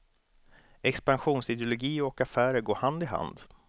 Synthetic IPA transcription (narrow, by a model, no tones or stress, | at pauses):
ɛkspanɧuːnsɪd̪ɪʊlʊɡiːɔkafæːɾəɾɡoːɾhand̪ɪɦa̰nd̪